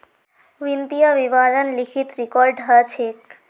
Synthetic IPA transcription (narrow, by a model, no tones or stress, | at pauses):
ʋint̪ijəʋibaɾənlikʰit̪ɾikɔɾɖɦət͡ʃʰek